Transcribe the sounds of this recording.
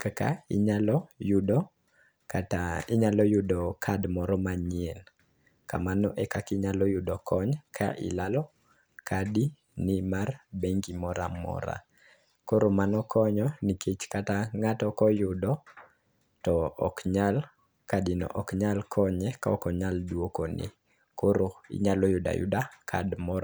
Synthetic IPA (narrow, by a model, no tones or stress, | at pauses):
kaka̰ɪɲalɔjudɔ | katɪɲalɔjudɔkʰadmɔɾɔmaɲɪɛl | ka̰manɔ̰ʔɛkakiɲalɔjʊdɔkʰɔɲkʰa̰ʔɪ̰lalɔ | kʰadi | nimarbeŋɡimɔɾa̰mɔ̰ɾa̰ | koɾomanɔkʰɔɲɔnikʰet͡ʃkataŋatɔkɔjʊdɔ | tɔɔ̰kɲal | kadinɔ̰ʔɔkɲalkʰɔɲɛkaɔkɔɲaldwokonɪ̰ | koɾoɪ̰ɲalɔjʊda̰jʊ̰dakʰadmɔɾɔ